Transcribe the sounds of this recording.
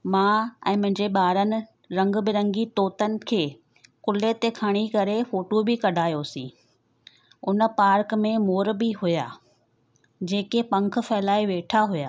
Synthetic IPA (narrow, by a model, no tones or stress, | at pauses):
mãɛ̰̃ːmʊ̃ɦɪ̃ɲd͡ʑeɓaːɾənɪ̆ | ɾɐ̃ŋɡ̆bɪɾɐ̃ŋɡit̪oːt̪ənɪ̆kʰeː | kʊlet̪ekʰaːɽ̃ikɐɾefoːʈobɪkɐɖʱaːjosḭ̃ː | ʊnəpaːɾkmẽmoːɾbɪɦʊja̰ː | d͡ʑeːkepɐ̃ŋkʰʊ̆fɛːlaːiʋeːʈʰaɦʊja̰ː